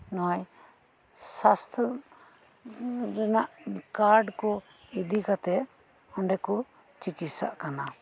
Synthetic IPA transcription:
nɔaj | sast̪ʰ | ɾɛnaʔkaɾɖkɔ | id̪ikat̪ɛ | ɔɳɖɛkɔ | t͡ʃikisa̰ʔkana

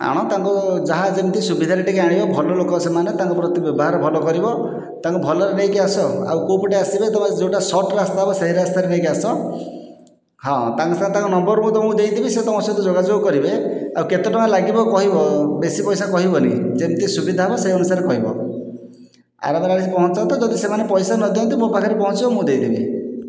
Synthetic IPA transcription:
a̰ɽ̃ɔt̪aŋkud͡ʒaɦad͡ʒemt̪isubid̪ʱaɾeʈikeaɽibɔbʱɔlɔlokɔsemanet̪aŋkupɾɔt̪ibjɔbɔɦaɾɔbʱɔlɔkɔɾibɔ | t̪aŋkubʱɔlɔɾenejkiasɔa̰wkowpiʈeasibet̪ɔmad͡ʒewʈasɔʈɾast̪aɦebɔseɦiɾast̪aɾenejkiasɔ | ɦɔ̃t̪aŋkusãt̪ãŋkunɔmbɔɾmũt̪ɔmũd̪ejd̪ibiset̪ɔsat̪ɔd͡ʒoɡad͡ʒoɡɔkɔɾibeawket̪eʈɔŋ̃alaɡibɔkɔɦibɔbesipɔjsakɔɦibɔnḭd͡ʒent̪isubid̪ʱaɦebɔseiɔnusaɾekɔɦibɔ̰ | a̰ɾameɾaɽisipɔɦɔt͡ʃɔnt̪ɔd͡ʒɔd̪isemanepɔjsanɔd̪iõnt̪̬imopakʰaɾepɔɦɔ̃t͡ʃibɔmũd̪ejd̪ibḭ

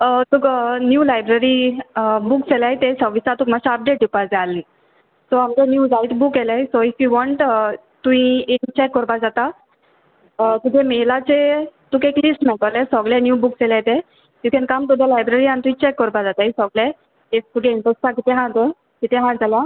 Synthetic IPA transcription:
ət̪ukənjuːlajbɾəɾi | bukselaɦjt̪esɔʋisat̪uːkmaɕaəp̚ɖeʈ̚ɖipad͡zealːi | soamd͡ʑenjuːd͡zait̪bukelaisoifjuʋɔɳʈ | t̪ũĩent͡ɕekːəɾpad͡zat̪a | t̪ud̪ʱemelat͡set̪ukeklisʈmɛʈ̪alesɔɡlenjuːbukselajt̪ẽ | jukɛ̃nkamt̪̬ud̪ʱelajbɾəɾiañit̪uĩt͡ɕekːəɾpad͡zat̪aɦisɔɡle | eft̪ukeent̪əstãkit̪eɦãt̪e | kit̪eɦãd͡zalja

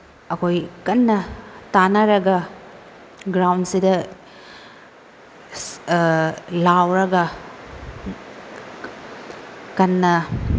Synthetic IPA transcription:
ɐkojkɐnːɐtanɐɾɐɡɐ | ɡɾawnsidɐ | lawɾɐɡɐ | kɐnːɐ

